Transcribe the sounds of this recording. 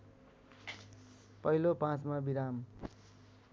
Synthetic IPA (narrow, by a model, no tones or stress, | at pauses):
pʌilopãt͡smabiɾam